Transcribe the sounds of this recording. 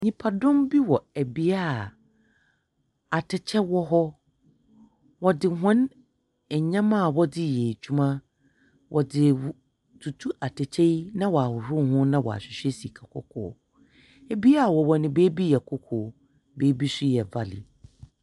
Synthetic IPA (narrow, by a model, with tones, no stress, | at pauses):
ɲĩ˨pʰa˨dʊ̃˦mbi˦wɔ˨æ˨bi˦a˦˨ | a˨tʰɪ˨t͡ɕʰɛ˦wɔ˦ɦɔ˦ | wɔ˨dɪ˨ɦʊ̃˦n | ɛ˨ɲã˦mã˦˨wɔ˦dɪ˦je˨t͡ɕʰᶣu˦mã˦ | wʔɔ˨dɪ˨ | tʰu˨tʰu˦ʔa˨tʰɪ˨t͡ɕʰɛ˦i˦nã˦wɔ˨a˨hʊ˨ɾʊ˦˨hʊ̃˦nã˦wɔ̰˨a̰˨ɕᶣɪ˨ɕᶣɛ˦si˨kʰa˨kʰɔ̰˦kʰɔ̰ː˨ | æ˨bi˦a˦˨wɔ˨wɔ˨nɪ̃˨beː˦bi˦jɛ˨kʰɔ˦kʰɔː˨ | beː˦bi˦sʊ˦jɛ˨va˦lɪ̰˨